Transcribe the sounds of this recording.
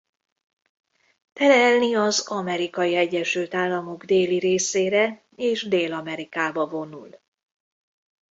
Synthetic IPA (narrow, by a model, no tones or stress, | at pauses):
t̪ɛlɛlniɒzɒmɛɾikɒjiɛɟːɛʃylt̪aːlːɒmo̞ɡd̪eːliɾeːseːɾɛ | eːʒd̪eːlɒmɛɾikaːbɒvo̞nul